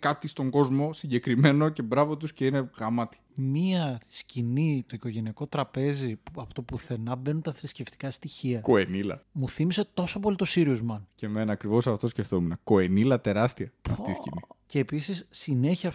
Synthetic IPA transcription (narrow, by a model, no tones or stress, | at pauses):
kɐt̪ist̪o̞ŋɡo̞zmo̞siɲɟe̞kɾime̞noce̞bɾɐvot̪usce̞ineɣɐmɐt̪i̥miɐscinit̪o̞iko̞ʝe̞niɐko̞t̪ɾɐpe̞zipuɐpot̪o̞puθe̞nɐbe̞nut̪ɐθɾisce̞ft̪ikɐst̪içiɐkoenilɐ̰muθimise̞t̪o̞sopolit̪osiɾiuzmɐncemenɐːkɾivo̞sɐft̪o̞sce̞ft̪omenɐko̞enilɐt̪e̞ɾɐst̪iɐpɐft̪iscinice̞ːpisisːine̞çiɐ